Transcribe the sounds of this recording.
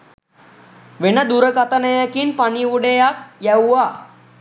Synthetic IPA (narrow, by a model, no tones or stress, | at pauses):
ʋenəd̪uɾəkat̪ənəjəkinpaniʋuɖejak̚jæwuʋa